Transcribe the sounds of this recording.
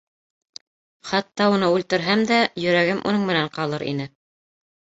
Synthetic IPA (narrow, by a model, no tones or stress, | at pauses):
χɑt̪ːɑunɤʉlt̪ɘ̆ɾɦæmd̪æjɵ̆ɾæɡɘmʔṵnɤŋmɘ̆næɴqɑlˠɤɾʔḭnɘ